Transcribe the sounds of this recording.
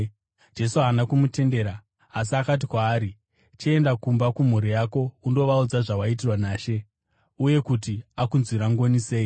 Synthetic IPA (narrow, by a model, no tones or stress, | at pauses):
d͡ʒe̞suanakumute̞nde̞ːɾaː | s̬iakat̬ikwaːɾi | t͡ʃee̞ndakumbakum̤uɾijako̞undo̞ʋaud͡zaʐawait̬irwanaːʃe̞ | uje̞kutiakunzwiɾaŋɡo̞nise̞ːi